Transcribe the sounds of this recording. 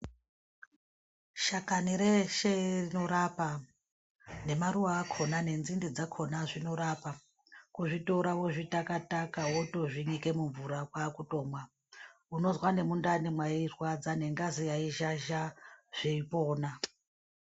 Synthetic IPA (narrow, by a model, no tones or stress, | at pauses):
ʃakaniɾeʃerino̞ɾapa | ne̞maɾuwaːkʰo̞nane̞nzindid͡zakʰo̞naʐino̞ɾapa | kuʐito̞ɾaʋoʐitakatakaɦoto̞ʐiɲike̞muɱvuɾakwakuto̞ːmwa | uno̞zwane̞mundanemwairwad͡zane̞ŋɡazijaiʒaʒaʐ̥iipo̞ːna